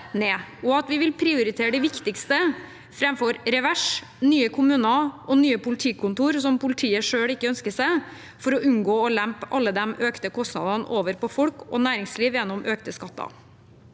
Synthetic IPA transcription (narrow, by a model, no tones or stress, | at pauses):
neːɔɑt̪ʋɪʋɪlpʰɾɪʊɾɪt̪ʰeːɾɖ̪ɛʋɪkt̪ɪkst̪ə | fɾɛmfɔɾɾɛʋæʂ | nyːəkʰʊmʉːnɑʔɔnyːəpʊlɪt̪ʰiːkʰʊnt̪uːɾsɔmpʊlɪt̪ʰiːəʂøːɽɪkːəœnskəʂæɪ | fɔɾɔʔʉnɡoːɔlæmpʔɑlːəd̪ɛmøːkt̪əkʰɔst̪nɑ̰d̪ɑnʔoːʋəɾpɔfɔlkɔ̰næːɾɪŋsliːʋjɛnːɔmʔøːkt̪əskɑt̪ːɑ̰